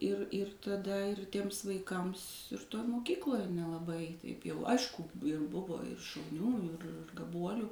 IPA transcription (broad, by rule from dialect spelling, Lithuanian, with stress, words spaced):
ɪr ɪr tɐˈdɐ ɪr tʲiɛms ʋɐɪˈkɐms toːj moːˈkʲiːklˠoːj nʲɛlˠɐˈbɐɪ tɐɪp ˈjɛʊ ˈɐɪʃkʊ ɪr ˈbʊʋoː ɪr ʃɐʊˈnʲuː ɪr ɡɐˈbuɔlʲuː